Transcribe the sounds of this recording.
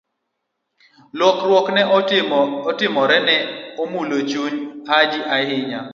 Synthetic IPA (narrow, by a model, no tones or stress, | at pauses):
lwɔkɾwɔknɛ | ɔtɪmɔɾɛnɛomulot͡ʃuɲhad͡ʒɪʔahɪɲa